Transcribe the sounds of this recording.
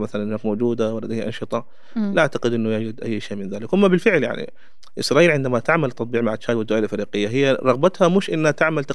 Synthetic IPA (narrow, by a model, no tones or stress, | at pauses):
maθalanʔɪnaːkmowd͡ʒuːd̪awalːad̪jʔɑ̰nʃɨt̪ˤɑ | lʔaʕt̪aqɪd̪ʔɪnːʊjaːd͡ʒad̪ʔajːʃeːmɪnðaːlɪkwʔamːabɪlfɪʕlja̰ʕnḭ | ʔɪ̰sɾˤɑːʔiːlʕɪnd̪amat̪aʕmalt̪ːɑt̪ˤbiːʕmaʕaʃaːd̪wɪd̪ːwaːjalʔɪfɾiːqɪjːaɦɪjːaɾˤɑɣbat̪hamuːʃʔɪnːhat̪aʕmalt̪ɑ